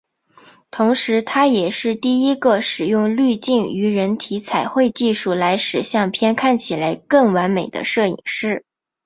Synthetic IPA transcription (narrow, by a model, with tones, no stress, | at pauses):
t̪ʰʊ˧˥ŋʂɻ̩˧˥t̪ʰa˥jɛ˨˩ʂɻ̩˥˧t̪i˥˩i˥ɡə˧ʂɻ̩˨˩jʊ˥˧ŋly˥˧t͡ɕi˥˩ny˧˥ɻə˧˥nt̪ʰi˧˥t͡sʰa˨˩ɪxwe˥˧ɪt͡ɕi˥˧ʂu˥˩la˧˥ɪʂɻ̩˨˩ɕjɑ˥˩ŋpʰjɛ˥nkʰa˥˩nt͡ɕʰi˨˩la˧˥ɪkɤ˥˩ŋwa˧˥nme˨˩ɪd̪ə̰˦ʂɤ˥˩ḭ˨˩ŋʂɻ̩˥˩